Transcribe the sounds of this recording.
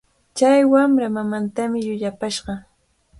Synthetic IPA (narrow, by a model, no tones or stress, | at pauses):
t͡ʃajwamɾamamant̪amɪjʊʎapaʃɢɑ